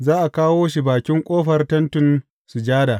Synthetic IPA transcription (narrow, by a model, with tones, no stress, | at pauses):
zaː˦ʔa˨kaː˦woː˦ʃ̬i˨baː˨kʲɪ˦ŋkʷʼoː˦ɸɐ˨rtɐ˦ntʊ˨n | su˨d͡ʒaː˦daː˨